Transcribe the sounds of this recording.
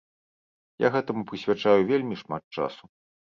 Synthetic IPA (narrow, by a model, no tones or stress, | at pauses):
ja̰ɣɛt̪ɐmupɾɨsʲvʲat͡ʂajuvʲelʲmʲiʂmat̪̚t͡ʂa̰su